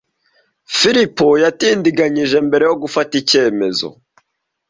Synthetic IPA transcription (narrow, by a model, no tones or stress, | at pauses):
fiɾipojatiːndiɡaɲiʒe̞mbe̞ɾe̞joɡufatice̞ːme̞zo̰